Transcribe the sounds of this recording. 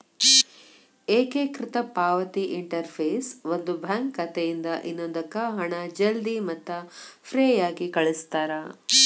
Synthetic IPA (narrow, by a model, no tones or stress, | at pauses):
eːkekɾɪt̪ɐpaːʋɐt̪iʔiɳʈɐɾpʰeːsʋond̪ubʱaːŋkːɐt̪ejind̪ɐʔinːoːd̪ɐkːɐɦɐɳɐd͡ʒɐld̪imɐt̪ːɐfʰɾejaːɡikɐɭist̪aːɾɐ